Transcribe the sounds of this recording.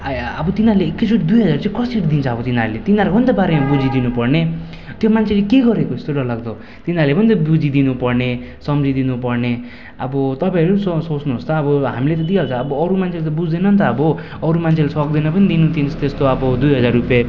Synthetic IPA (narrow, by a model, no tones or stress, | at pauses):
ʌbʌt̪inaɾleːkːed͡zuɽd̪ujɦʌd͡zart͡sãkʌsiʈd̪int͡sʰʌʌbʌt̪inaɾlet̪inaɾbʱʌnd̪abaɾemabud͡zid̪inupʌrne | t̪jomant͡sʰelekeɡʌɾekoist̪oɾʌlaɡd̪ʌ | t̪inalebʌnit̪ʌbud͡zid̪inupʌrne | sʌmd͡zid̪inupʌrne | ʌ̰bʌt̪ʌpaẽʌɾusʌsot͡snuɦost̪ʌːbʌɦamilet̪ʌd̪ialt͡sʰʌːbʌːɾumant͡sʰelet̪ʌbud͡zd̪ʌnʌnt̪ʌːbʌː | ɾumant͡sʰelesʌk̚d̪inʌpʌnid̪inut̪int͡sʰʌ̥t̪est̪oʌbʌd̪ujɦʌd͡zarːupja